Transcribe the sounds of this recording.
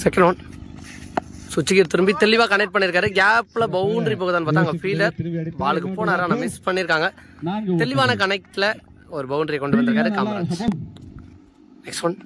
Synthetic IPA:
sɛkːɐɳɖoːn | sʊt͡ʃːɪɣiːɾt̪ɪɾɯmbit̪ɛlɪʋaːkɐnɛk̚ʈ̚pɐɳːɪɾɯkːaːɾɯɡaːplɐbɐʊnɖɾip̬oːɣɯðaːnpaːɾt̪aːŋɡɐfiːlɐɾʋaːɭɯkːɯpoːnaːɾaːnamɪspɐɳːɪɾɯkːaːŋɡɐ | t̪ɛlɪʋaːnɐkɐnɛk̚ʈlɐ | ɔɾɯbɐʊnɖɾijɐkɔɳɖɯʋɐnd̪ɪɾɯkaːɾɯkaːmɐɾa̰ː | nɛksɐɳ

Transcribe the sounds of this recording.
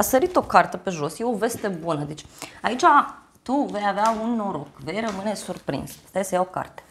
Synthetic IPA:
asəɾit̪o̞kart̪əpe̞ʒo̞sjeove̞st̪e̞bunəd̪et͡ʃʲait͡ʃa | t̪uve̞javeaunːoɾokve̞jrəmɨne̞surpɾḭnsḁst̪ajesəjaoka̰rt̪e̥

